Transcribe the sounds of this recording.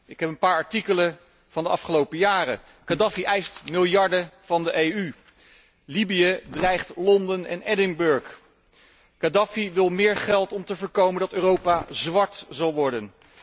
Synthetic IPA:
ʔɪkɦɛpənpaːɹɑɹtikələ | v̥ɑndəʔɑfχəlowpəjaːrə | kadafiʔɛjstmɪlˠjɑɹdəv̥ɑndəʔejy | libijədrɛjχtlɔndənɛ̰nɛdɪŋbɵɹk | kadafiʋɪlˠmɪːɹχɛlˠtɔmtəvəɹkowməndɑtøːrowpazʋɑɹtzɑlˠʋɔɹdən

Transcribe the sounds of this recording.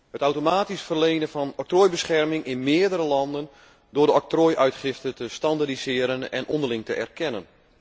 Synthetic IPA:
hətawtomaːtisfərlejnənfɑnɔk̚troːjbəsχɛrmɪŋɪnmɪədəɾəlɑndən | dʊːrdəɔk̚troːjʔœɥtχɪftətəstɑndadisɪːɾənɛ̰nʔɔndərlɪŋtəʔɛ̰rkʰɛnən

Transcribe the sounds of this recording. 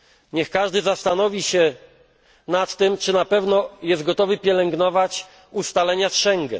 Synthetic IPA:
ɲɛxkaʐd̪ɘzast̪anɔvʲiɕɛ | nat̪ːɘmt͡ʂɘnapɛvnɔjɛst̪ɡɔt̪ɔvɘpʲjɛlɛŋɡnɔvat͡ɕ | ust̪alɛɲasʂɛŋɡɛ̰

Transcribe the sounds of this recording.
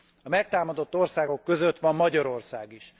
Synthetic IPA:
ɒmɛk̚t̪aːmɒd̪o̞t̪ːo̞rsaːɡo̞kːøzøt̪ʋɒmːɒɟɒɾo̞rsaːɡiʃ

